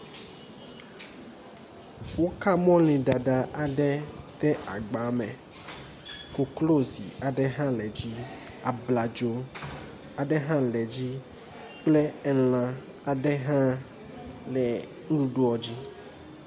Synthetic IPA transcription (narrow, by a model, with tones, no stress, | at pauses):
wo˦ka˦mɔ̃˦lĩ˨ɖa˨ɖa˨ʔa˨ɖɛ˦t̪ɛ˦ʔa˨ɡ͡ba˨˦mɛ̃˨ | ko˨klo˦zḭ˨a˨ɖɛ˦ɦã˦lɛ˨d͡ʑi˦ | a˨bla˨d͡ʒo˦ | a˨ɖɛ˦ɦã˦lɛ˨d͡ʑi˦ | k͡plɛ˦ɛ˦lã˨ | a˨ɖɛ˦ɦã˦ | lɛ˨ | ŋ̩˦ɖu˦ɖu˦ɔ˨d͡ʑi˦